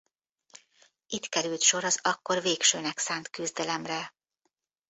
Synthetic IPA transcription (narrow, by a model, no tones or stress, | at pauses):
it̪kɛɾylt̪ʃo̞ɾɒzɒkːo̞rveːkʃøːnɛksaːnt̪kyzd̪ɛlɛmrɛ